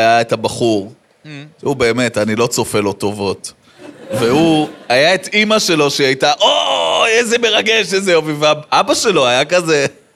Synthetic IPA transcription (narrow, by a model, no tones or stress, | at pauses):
jaethabaχuʁ | ʃeube̞ːme̞tanilo̞t͡so̞fe̞lo̞to̞vo̞t | veuajaetimaʃe̞lo̞ʃeajtaʔoezeme̞ʁaɡe̞ʃezeovivaabaʃe̞lo̞ajakaze